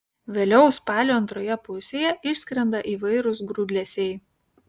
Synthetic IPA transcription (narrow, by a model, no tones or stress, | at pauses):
ʋʲeːlʲɛʊspɑːlʲoːɐnt̪ɾoːjɛpʊsʲeːjɛʔɪʃʲsʲkʲɾʲɛnd̪ɐʔiːʋɐɪɾʊsɡɾuːd̪ʲlʲɛsʲeɪ